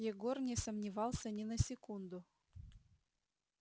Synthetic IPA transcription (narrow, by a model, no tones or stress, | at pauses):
jeɡornʲesəmnʲivɑlˠsʲənʲɪnəsʲɪkund̪ʊ